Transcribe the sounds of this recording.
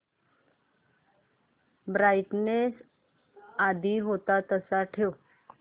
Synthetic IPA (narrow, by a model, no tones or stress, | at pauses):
bɾajʈnes | ad̪ʱiːɦot̪at̪əsaʈʰew